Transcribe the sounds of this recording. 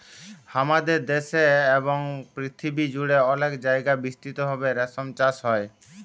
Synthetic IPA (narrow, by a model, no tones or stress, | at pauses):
hamad̪eɾd̪eʃeeboŋpɾit̪ʰibid͡ʑuɽeɔlekd͡ʑajɡabist̪it̪obʱabeɾɛsomt͡ɕaʃɦɔe